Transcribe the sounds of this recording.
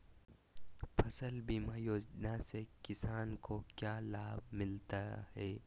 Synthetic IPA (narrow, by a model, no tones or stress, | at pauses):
pʰɐsəlbʱimaːjoːd͡ʒnasekɪsaːnkokjaːlaːbmɪlt̪ahɛː